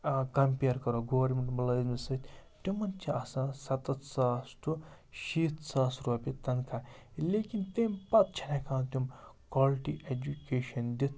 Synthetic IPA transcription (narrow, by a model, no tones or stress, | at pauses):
kɐmpʲeːɾkɐɾoɡoːʋɐɾmʲeɳʈmɐlɐzmisɨt̪ʰʲt̪umɐnt͡ʃʰiɐsãsɐt̪ɐt̪saːsʈu | ʃiːt̪saːsɾoːpit̪ɐnkʰaleːkint̪empɐt̪̚t͡ʃʰɐnakʰãːt̪ʲumkɔːlʈiʔed͡ʒukeːʃɐnd̪it̪ʰ